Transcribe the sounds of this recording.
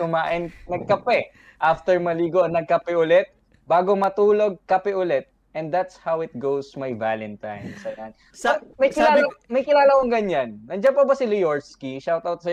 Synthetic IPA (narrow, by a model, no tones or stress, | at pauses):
ʊmaːʔɪnnɐɡ̚kɐpɛ | ʔaft̪ɛɹmɐliːɡoʔɐnɐɡ̚kɐpɛʔʊlɛt̪̚ | baːɡomɐt̪uːloɡ̚kɐpɛʔʊlɛt̪̚ | ʔɛ̃nd̪at̪shawɪt̪̚ɡowsmajva̰lɛ̃nt̪ã̰jnsɐjan | amɐjkɪaːlmɐjkɪlaːlɐkoŋɡɐɲanːɐnd͡ʒɐnpɐbɐsɪlʊjoɹskiʃawt̪awt̪̚sɐ